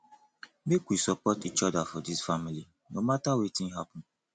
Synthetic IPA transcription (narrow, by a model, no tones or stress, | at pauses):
mekʷwisɔpɔtit͡ʃɔdafɔdisfamili | nomatawetĩŋɦapɔ̃n